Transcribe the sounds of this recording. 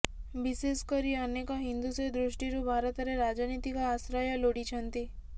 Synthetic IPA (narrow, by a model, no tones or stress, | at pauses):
biseskəɾiənekaɦind̪used̪ɾuʂʈiɾubʱaɾət̪aɾeɾad͡ʒanit̪ikaːsɾajaloɽit͡ʃʰənt̪i